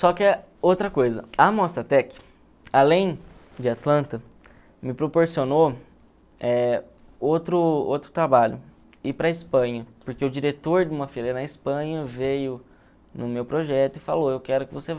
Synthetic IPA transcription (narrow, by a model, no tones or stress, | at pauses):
sɔkɪɛ | owt̪ɾɐkojzɐ̰ɐmɔst̪ɐt̪ɛkɪ̥ | alẽj̃ | d͡ʒɪat̪lɐ̃nt̪ɐ | mɪpɾopoɾsiono | ɛ | owt̪ɾʊo̰wt̪ɾʊ̥t̪ɾabaʎʊ̰ | ɪpɾɐɪspɐ̃ɲɐpoɾkeʊd͡ʒiɾet̪oɾd͡ʒɪũmɐfeɾenɐispɐ̃ɲɐvejʊ | nʊmewpɾoʒɛt̪ʊɪfaloewkɛɾʊkɪvosev